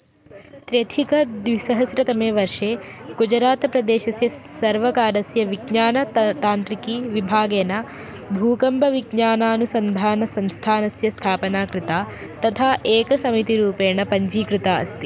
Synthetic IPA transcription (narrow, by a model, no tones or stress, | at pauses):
t̪ɾet̪ʰikɐd̪ʋisɐɦɐsɾɐt̪ɐmeːʋɐɾʂeːkud͡ʒɐɾaːt̪ɐpɾɐd̪eːʃɐsjɐsɐɾʋɐkaːɾɐsjɐʋiɡɲaːnɐt̪aːnt̪ɾikiːʋibʱaːɡeːnɐ | bʱuːkɐmbʱɐʋiɡɲaːnaːnusɐnd̪ʱaːnɐsɐmst̪ʰaːnɐsjɐst̪ʰaːpɐnaːkɾɪt̪aːt̪ɐt̪ʰaːʔeːkɐsɐmit̪iɾuːpeːɳɐpɐɲd͡ʒiːkɾɪt̪aːɐ̰st̪i